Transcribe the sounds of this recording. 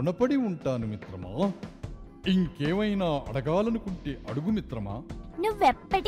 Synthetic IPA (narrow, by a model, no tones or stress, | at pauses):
ɳɐpɐɽiuɳʈaːnumit̪ɾɐma̰ː | iŋkeːʋɐjnaːʔɐɽɐɡaːlɐnukuɳʈiʔɐɽuɡumit̪ɾɐma̰ːnuʋepːɐɽ